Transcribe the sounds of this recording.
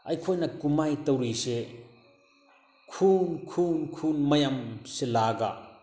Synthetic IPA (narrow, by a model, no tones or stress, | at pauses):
ɐjkʰojnɐkumajtɐwɾise | kʰunkʰunkʰunmɐjamselaɡa̰